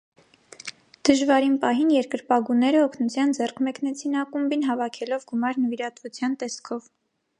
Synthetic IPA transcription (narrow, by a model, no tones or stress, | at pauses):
d̪̥əʒvɑɾinpɑɦinjɛɾkəɾpɑɡunɛɾəɔkʰnut͡sʰjɑnd͡zɛrkʰmɛknɛt͡sʰinɑkumbinɦɑvɑkʰɛlɔvɡumɑɾnəviɾɑt̪vut͡sʰjɑnt̪ɛskʰɔv